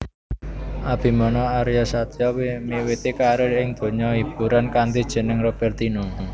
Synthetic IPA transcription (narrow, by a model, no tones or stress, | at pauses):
ʔab̥i̤mɔnɔaɾijasat̪jɔmewet̪ekaɾeɪŋd̪̥o̤ɲɔib̥ṳɾankand̪id̥ʒ̥ə̤nəŋrɔb̥ɛrt̪inu